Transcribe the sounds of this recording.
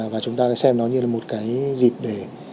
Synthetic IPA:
vaː˨˩t͡ɕʊ˨˦ŋ͡mt̪aː˧kaː˨˦sɛ˧mnɔ˨˦jɲɨ˧laː˨˩mo˨˩t̚kaː˨˦jzi˨˩p̚ɗe˧˩

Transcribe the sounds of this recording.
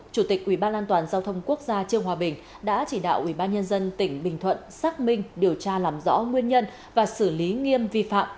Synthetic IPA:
t͡ɕu˧˩t̪i˨˩k̚ʔwi˧˩ɓaː˧nʔaː˧nt̪waː˨˩nzaː˧wt̪ʰə˧wŋ͡mku˦˥ək̚zaː˧t͡ɕɨ˧əŋɦwaː˨˩ɓï˨˩ŋ̟ | ɗa̰ː˧˥t͡ɕi˧˩ɗa̰ː˧˨wʔwi˧˩ɓaː˧nɲə˧nzə˧nt̪ï˧˩ŋ̟ɓï˨˩ŋ̟t̪ʰwə̰˧˨nsaː˦˥k̚mï˧ŋ̟ɗi˨˩əwt͡ɕaː˧laː˨˩mzɔ̰˧˥ŋwi˧ənɲə˧n | vaː˨˩sɨ˧˩li˨˦ŋi˧əmvi˧fa̰ː˧˨mʔ

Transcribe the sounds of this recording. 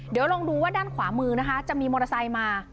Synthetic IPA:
di˩˦wɾo˧ŋduː˧waː˥˩daː˥˩nkʰwaː˩˦mɯː˧na˦˥kʰa˦˥t͡ɕa˨ʔmiː˧moː˧ɾa˧sa˧jmaː˧

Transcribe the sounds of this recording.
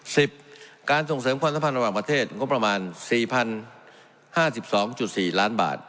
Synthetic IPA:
si˨˩p̚kaː˧nso˨˩ŋsɤː˩˦mkʰaː˧msa˦mpʰa˧nɾa˧waː˨˩pɾa˧t̪ʰeː˥˩t̪̚ŋo˦˥pːɾa˧maː˧nsiː˨˩pʰa˧n | haː˥˩si˨˩p̚sɔː˩˦ŋt͡ɕu˨˩t̪̚siː˨˩laː˦˥nba̰ː˨˩t̪̚

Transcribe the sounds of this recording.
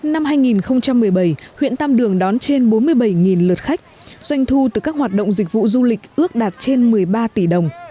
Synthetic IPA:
na˧mɦaː˧jŋi˨˩nxə˧wŋ͡mt͡ɕa˧mː˨˩əjɓə˧˩jhwḭ˧˨ənt̪a˧mɗɨ˨˩əŋɗɔ˨˦nt͡ɕe˧nɓo˨˦nmɨ˧əjɓə˧˩jŋi˨˩nlɨ˨˩t̚xa˦˥k̟̚ | z̥wa˧jŋ̟t̪ʰu˧t̪ɨ˨˩kaː˦˥k̚hwaː˨˩t̚ɗə̰˧˨wŋ͡mzï˨˩k̟̚vṵ˧˨zu˧lï˨˩k̟̚ʔɨ˦˥ək̚ɗaː˨˩t̚t͡ɕe˧nmɨ˨˩əjɓaː˧t̪i˧˩ɗə˨˩wŋ͡m

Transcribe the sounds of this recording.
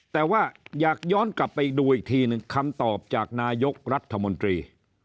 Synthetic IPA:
t̪ɛː˨˩waː˥˩jaː˨˩k̚jɔː˥˩nkla˨˩pːa˧jduː˧ʔiː˨˩k̚t̪ʰiː˧nɯ˧ŋkʰa˧mt̪ɔː˨˩p̚t͡ɕaː˨˩k̚naː˧jo˦˥k̚ɾa˦˥t̪ʰːa˧mo˧nt̪ɾiː˧

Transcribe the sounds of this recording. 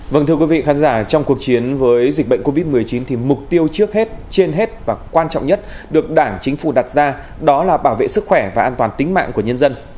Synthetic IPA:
və˧˩nt̪ʰɨ˧əkwi˨˦vḭ˧˨xaː˨˦nzaː˧˩t͡ɕɔ˧wŋ͡mku˨˩ək̚t͡ɕi˨˦ənvəː˨˦jzi̟˨˩ɓə̰˧˨ŋko˧vi˦˥t̚mɨ˨˩əjt͡ɕi˨˦nt̪ʰi˨˩mʊ˨˩k͡p̚t̪i˧əwt͡ɕɨ˦˥ək̚he˦˥t̚t͡ɕe˧nɦe˦˥t̚vaː˨˩kwaː˧nt͡ɕɔ̰˧˨wŋ͡mɲə˦˥t̚ɗɨ˨˩ək̚ɗaː˧˩ŋt͡ɕï˨˦ŋ̟fu˧˩ɗa˨˩t̚zaː˧ | ɗɔ˨˦laː˨˩ɓaː˧˩wvḛ˧˨sɨ˦˥k̚xwɛ˧˩vaː˨˩ʔaː˧nt̪waː˨˩nt̪ï˨˦ŋ̟ma̰ː˧˨ŋku˧˩əɲə˧nzə˧n

